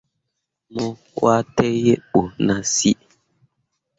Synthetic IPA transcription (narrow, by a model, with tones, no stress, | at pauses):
mɔ˦ | wa˦tɛ˦je˦ɓo˨na˨si˦ʔ